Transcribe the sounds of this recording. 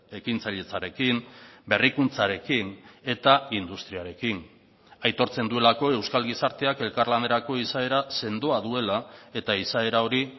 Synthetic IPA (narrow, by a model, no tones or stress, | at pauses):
e̞kint͡saʎe̞t͡saɾe̞kimbe̞rikunt͡saɾe̞kine̞t̪aind̪ust̪ɾiaɾe̞kin | ajt̪o̞ɾt͡se̞nd̪ue̞lako̞e̞wskalɣisaɾt̪e̞ake̞lkarland̪eɾako̞isae̞ɾase̞nd̪oaðue̞lae̞t̪aisae̞ɾao̞ɾi